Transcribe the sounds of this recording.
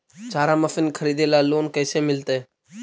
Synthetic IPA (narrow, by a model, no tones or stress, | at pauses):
t͡ʃaːɾãːməfɪnkʰəɾiːd̪eːlaːloːnkəːseːmɪlt̪eː